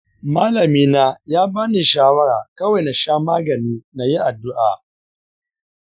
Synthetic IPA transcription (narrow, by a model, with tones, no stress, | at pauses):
maː˦lɐ˨miː˦naː˦jaː˦baː˦ni˨ʃaː˦wɐ˦ɾaː˨kɐ˦wa˨jna˨ʃaː˦maː˦ɡɐ˨niː˦na˨ji˦ʔa˨dːʊ˦ʔaː˨